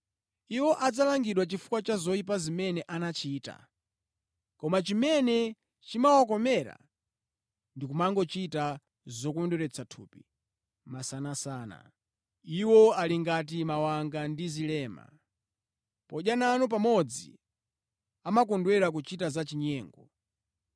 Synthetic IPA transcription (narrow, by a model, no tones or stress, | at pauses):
iwɔʔad͡zalaŋɡiɗwat͡ʃifu̥kwat͡ʃazɔip̬azimɛnɛʔanat͡ʃiːta̰ | kɔmat͡ʃimɛnɛ | t͡ʃimawak̬ɔmɛɾa̰ | ndikumaŋɡɔt͡ʃita | zɔkɔndwɛɾɛt͡sʰatʰṵːpi | masanasaːna̰ | iwɔaliŋɡat̬imawaŋɡandizilɛːma̰ | pɔʄjananup̬amɔd͡zḭ | amakɔndwɛɾak̬ut͡ʃitazat͡ʃiɲɛːŋɡɔ